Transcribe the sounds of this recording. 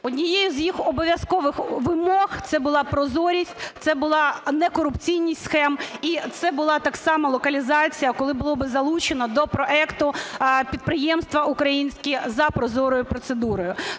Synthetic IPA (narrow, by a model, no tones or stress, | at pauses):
ɔd̪ʲnʲijejʊzjixɔbɔʋʲjɐskɔʋɪxʋɪmɔxt̪sɛbʊlˠɑpɾɔzɔɾʲisʲtʲt̪sɛbʊlˠɑnɛkɔɾʊpt͡sʲijnʲijʲtʲsxɛmit̪sɛbʊlˠɑt̪ɑksɑmɐlˠɔkɐlʲizɑt͡sʲijɐkɔlˠɪbʊlˠɔbɪzɐlˠut͡ʃenɔd̪ɔpɾɔʔɛkt̪ʊpʲid̪̚pɾɪjɛmst̪ʋɐukɾɐjinʲsʲkʲizɐpɾɔzɔɾɔjʊpɾɔt̪sed̪uɾɔjʊ